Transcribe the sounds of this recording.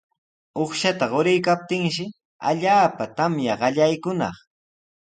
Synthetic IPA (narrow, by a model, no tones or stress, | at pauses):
oχʃat̪aɢoɾɪjkap̚t̪ɪŋʃɪ | a̰ʎaːpat̪amjaɢɑʎajkʊnɑ̰χ